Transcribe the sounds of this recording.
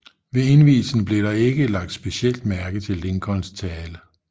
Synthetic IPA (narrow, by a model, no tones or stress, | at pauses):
ʋe̝e̝nʋḭːl̩sn̩b̥le̝ɾɑ̈e̝ɡ̥əlɑ̈ɡ̥̚d̥sb̥e̝siel̰d̥mæɐɡ̥ðt͡sʰe̝lːeŋkʰɒnst͡sʰɛːlə